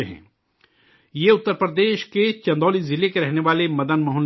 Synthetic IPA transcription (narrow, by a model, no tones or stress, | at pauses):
ɦɛ̰̃ː | jeʊt̪ːəɾpɾəd̪eːʃket͡ʃɐ̃nd̪ɔːlizɪlekeɾɛɦneʋaːlemɐd̪ənmɐɦʊn